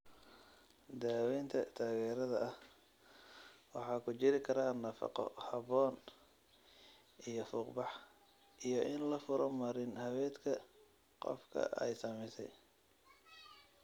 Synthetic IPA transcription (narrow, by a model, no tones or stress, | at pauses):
d̪aːwɛjnt̪ʰɐt̪ʰaːɣɛːɾɐðɐʔɐh | wɑħɑːkʰʊt͡ʃɪɾɪkʰɐɾaːnɐfɑ̰qɔ̰hɑβɔːn | ʔijɞfʊːqbɑħ | ʔijɔʔɪnlɐfʊɾɐmɐɾɪnhɐwɛːd̪kʰɐ | qɔ̰fkʰɐ̰ʔɛ̰jsɐmɛjsɛj